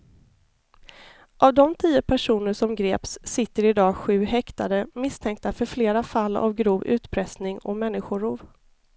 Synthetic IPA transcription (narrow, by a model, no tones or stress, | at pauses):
ʔavd̪ɔmt̪ʰiːəpʰæʂuːnəʂɔmɡɾeːpsːɪt̪ːəɾɪd̪ɑːɧʉ̟ːɦɛkt̪ad̪əmɪst̪ʰɛŋk̚t̪afœɾfleːɾafalːa̰vɡɾuːvʉ̟ːt̪pʰɾɛsnɪŋɔ̰mɛnːɪɧʊɾuːv